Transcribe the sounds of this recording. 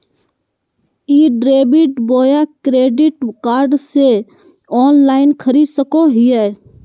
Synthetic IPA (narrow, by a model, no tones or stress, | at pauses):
iːɖɾeːbɪʈboːjaːkɾeːɖɪʈkaːɾɖse | ɔːnlaːɪnkʰəɾiːsəkoɦiɛː